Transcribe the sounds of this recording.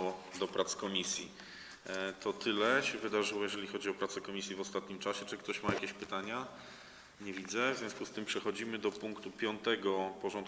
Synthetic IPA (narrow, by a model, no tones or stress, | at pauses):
ɔd̪ɔpɾat̪skɔmʲisʲji | t̪ʰɔt̪ʰɘlɛɕɛvɘd̪aʐɘwɔjɛʐɛlʲixɔd͡ʑiɔpɾat̪sɛkɔmʲisʲjɛvɔst̪at̪ɲimt͡ʂaɕɛt͡ʂɘkt̪ɔɕmajakʲeɕpɘt̪aɲa | ɲɛvʲid̪zɛvzʲjɔ̃skust̪ɘmpʂɛxɔd͡ʑimɘd̪ɔpuŋkt̪upʲjɔnt̪ɛɡɔpɔʐɔnt̪